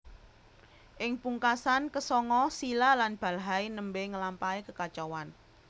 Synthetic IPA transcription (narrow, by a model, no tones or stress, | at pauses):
ʔɪŋpuŋkasankəsɔŋɔsilalanb̥a̤lɦainəmbeŋəlampaekəkat͡ʃɔwan